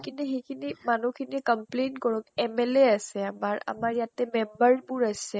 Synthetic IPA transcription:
kʰinɛxekʰinimanukʰinikɔmplentkɔɹɔkɛmɛlɛasɛamaɹa̰maɹjatɛmɛmbaɹbʊɹasɛ

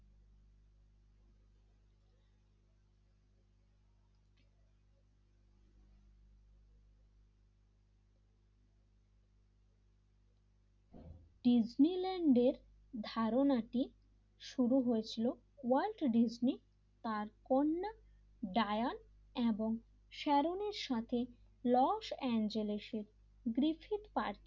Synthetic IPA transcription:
ɖid͡ʑnileɳɖeɾ | d̪ʱaɾonaʈi | ʃuɾuɦoet͡ɕʰilo | walʈɖid͡ʑni | t̪aɾkonːa | ɖajon | eboŋ | ʃɛɾoneɾʃat̪ʰe | lɔʃɛnd͡ʑeleʃeɾ | ɡɾifʰiʈpaɾt̪i

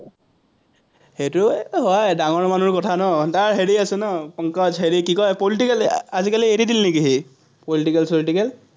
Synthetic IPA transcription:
hetʊɦɔjdaŋɔɹmanuɹkɔtʰanɔtaɹɦeɹiasɛnɔpɔŋkɔd͡ʒɦeɹikikɔjpoliʈikɛlazikalieɾidilnekiɦe | politikɛlsoliʈikɛl

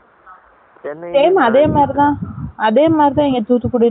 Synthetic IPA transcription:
teːmɐðeːmaːd̪ɾit̪ãːɐðeːmaːd̪ɾɪt̪ãːɛŋɡɐt̪uːt̪ːɯkːuːɽɪ

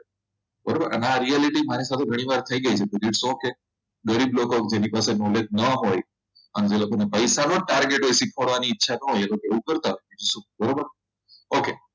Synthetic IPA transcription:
bəɾobəɾə̰neaɾialiʈimaɾisat̪ʰeɡʱəɽ̃iʋaɾt̪ʰəiɡəit͡ʃʰet̪oɾiɽsõke | ɡəɾiblokokd͡ʒenipasenoled̪̚nəɦoj | əned͡ʒelokonepəjsanoʈaɾɡeʈɦojsikʰoɽʋaniːtːʃʰanəɦojelokoeʋũkəɾt̪aɦojid͡ʒisũbəɾobəɾ | oke

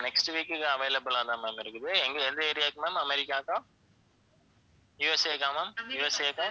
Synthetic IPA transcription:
nɛksʈʋiːkːɯkːɯɐʋeːlɐbɯlãːt̪ãːmẽːmɪɾɯkːɯðɯɛŋɡɛnd̪eːɾɪjaːkːɯmẽːmɐmɛɾɪkːaːkã | juːɛseːkːãmaːmjuːɛseːkːã

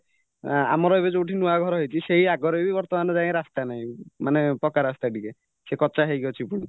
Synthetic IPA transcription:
a̰mɔɾɔebed͡ʒouʈʰinuaɡʱɔɾɔɦejt͡ʃʰiseɦiaɡɔɾebibɔɾt̪ɔmanɔd͡ʒaẽɾast̪anaɦĩmanepɔkaɾast̪aʈike | sekɔt͡ʃaɦejɡɔt͡ʃʰipuɽ̃i

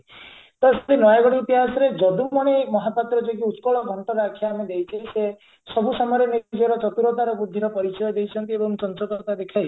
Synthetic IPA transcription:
t̪ɔesɾinɔjaɡɔɽiːt̪iɦasɔɾed͡ʒɔd̪umɔɽ̃emɔɦapat̪ɾɔd͡ʒɔɡiut̪kɔɭɔɡʱɔɳʈɔɾakʰːjaːmed̪ejt͡ʃʰise | sɔbʱusɔmɔjɾenid͡ʒɾɔt͡ʃɔt̪uɾɔt̪aɾɔbud̪ʱːiɾɔpɔɾit͡ʃɔjɔd̪ejt͡ʃʰɔnt̪iebɔmt͡ʃɔnt͡ʃɔk̪ɔɾt̪ad̪ekʰaj

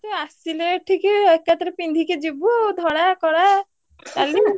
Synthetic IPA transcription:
teasileʈʰikeekːat̪ɔɾepind̪ʱiked͡ʒebud̪ʱɔɽakɔɽa | t̪ali

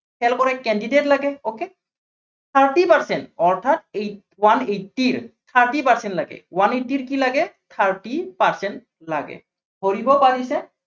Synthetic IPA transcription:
pʰɛlkɔɹɛkɛndidetlaɡɛoke | t̪ʰaɹtipaɹsɛntɔɹtʰat̚e | wanejtːiɹt̪ʰaɹtipaɹsɛntlaɡɛ̰wanetːiɹkilaɡɛt̪ʰaɹtipaɹsɛnt | laɡɛ̰ | hoɹibɔpaɹisɛ

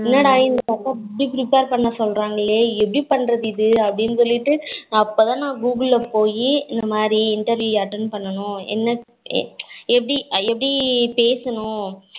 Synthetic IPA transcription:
ɪnːaːɽaːjɪnd̪ɯtɐk̪ːɐɛpːɐɽipɪɾɪpeːɾpɐɳːɐsɔlɾaːŋɡɐɭeːɛpːɐɽipɐɳːɾɐðɪðɯɐpːɐɽɪnːɯsɔlːɪʈːɯɐpːoːt̪ãːnãːɡuːɡɪɭːɐpoːjiɪnd̪ɐmaːd̪ɾiɪɳʈɐɾʋjuːjɐʈːɐnpɐɳːɐnʊ̃ɛ̰nːɐ̰ | ɛpːɐɽiɛpːɐɽipeːsɐnʊ̃

